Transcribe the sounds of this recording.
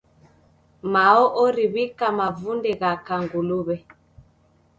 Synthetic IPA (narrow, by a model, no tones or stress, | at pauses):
maɔʔɔɾiβikamavundɛɣakaŋɡuluβɛ